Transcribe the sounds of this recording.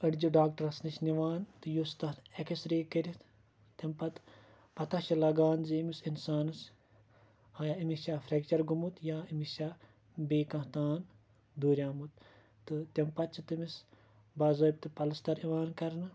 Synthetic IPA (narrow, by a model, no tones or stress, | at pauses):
ɐɽd͡ʒiɖaːk̚ʈɐɾɐsniʃniʋaːnt̪ɨjust̪ɐekisɾeːkɐɾʲit̪ | t̪ɐmpɐt̪ | pɐt̪ɐʃɐlɐɡaːnzimisinsaːnɨs | aːjaimiʃaːfʰɾʲekt͡ʃɐɾɡumut̪jaːimisʲaː | beːkɐ̃ɦt̪aːn | d̪uːɾʲjaːmut̪ː | ɨt̪ʲɐmpɐt̪̚t͡ʃʰit̪imis | bɐzɐːp̚ʲt̪ɨpɐlɐst̪ɐɾiʋaːnkɐɾnɐ